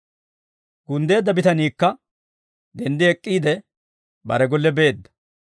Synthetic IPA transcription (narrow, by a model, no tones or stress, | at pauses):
ɡʊnd̪e̞ːd̪ːɐbɪt̪ɐniːkːɐ | d̪ɛnd̪ɪɛkʼːiːd̪ɛ | bɐ̰ɾɛɡɔlːɛbe̞ːd̪ːɐ̥